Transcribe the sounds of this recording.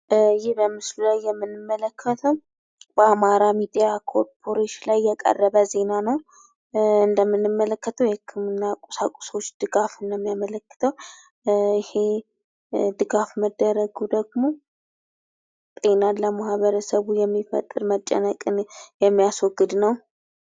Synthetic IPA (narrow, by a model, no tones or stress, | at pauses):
jɪhbəmɨslulajːɛmːɨnːɨmːələkʰːət̪ʰəw | b̥əamaɾamid̪ijakʰoɾpʰo̞ɾeʃilajːɛkʼə̰rːəβəze̞nanəw | ɨnd̪əmːɨnːɨmːələkːət̪ʰəwjɛhkʰːɨmɨnːakʼu̥sakʼu̥so̞t͡ʃːd̪̥ɨɡafɨnjɛmːijamələkːɨ̥t̪ʰəw | ɪhe̞ | d̪ɨɡafməd̪ːəɾəɡud̪əɡmo̞ | t̪ʼe̞naləmahβəɾəsəβujɛmːifə̰t̪ʼːɨɾmət͡ʃʼːə̰nəkʼɨnjɛmːijaswɔɡːɨd̪nəw